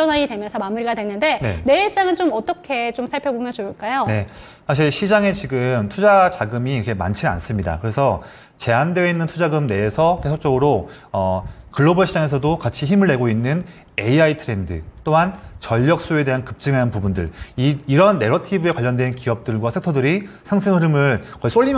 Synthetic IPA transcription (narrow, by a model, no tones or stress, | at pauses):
ʌnaidwe̞mjʌnsʰʌmamuɾiɡadwenːɯnde̞nene̞t͡ɕ͈aŋɯnt͡ɕomʌt͈ʌkʰe̞t͡ɕomsʰaɭpʰjʌbomjʌnt͡ɕouɭk͈ajone̞ | sʰaɕ̬ʰiɭɕʰid͡ʑaŋe̞t͡ɕiɡɯmtʰud͡ʑad͡ʑaɡɯmiiʌkʰe̞ma̰nt͡ɕʰina̰ns͈ɯmɲida̰kɯɾe̞sʰʌ | t͡ɕe̞andweinːɯntʰud͡ʑaɡɯmne̞ːsʰʌkesʰok̚t͡ɕ͈ʌɡɯɾo | ʌkɯɭːobʌɭɕʰid͡ʑaŋe̞sʰʌdokat͡ɕʰiçimɯɭːe̞ɡoinːɯn | e̞iaitʰɯɾe̞ndɯ̰t͈oɦant͡ɕʌʎːʌk̚s͈oe̞de̞ɦankɯp̚t͡ɕ͈ɯŋɦanpubundɯ̰ɭiiɾʌnːe̞ɾʌtʰibɯe̞kwaʎːʌndwe̞nkiʌp̚t͈ɯɭɡwasʰentʰʌdɯɾisʰaŋsʰɯŋɯɾɯmɯɭkʌis͈oʎːim